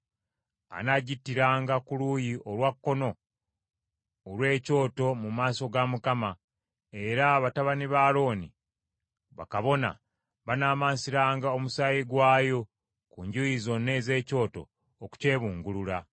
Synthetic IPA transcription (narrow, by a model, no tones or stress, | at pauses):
a̰naɟitːiɾaːŋɡakuluːjiʔo̞lwakːo̞no̞ | lwe̞ːco̞ːto̞mumaːso̞ɡamukama | e̞ɾaβataβaniβaːlo̞ːnḭ | βa̰kaβo̞na̰ | βanaːmaːnsiɾaːŋɡao̞musaːjiɡwaːjo̞ | kuɲɟujizo̞nːe̞ːze̞ːco̞ːto̞̰ː | ku̥ce̞ːβuːŋɡulula